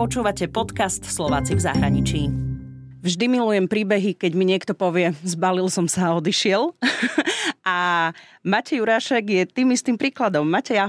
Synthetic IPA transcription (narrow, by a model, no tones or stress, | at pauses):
ɔt͡ʃuːʋacɛpɔt̪kast̪slɔʋaːt͡sivza̰ɦɾaɲit͡ʃiː | vʒd̪imilujɛmpɾiːbɛɦikɛɟmiɲɪɛkt̪ɔpɔʋɪɛzbalilsɔmsaːɔd̪iʃɪɛl | ʔamacɛjuɾaːʃɛɡjɛt̪iːmist̪impɾiːklad̪ɔmːacɛja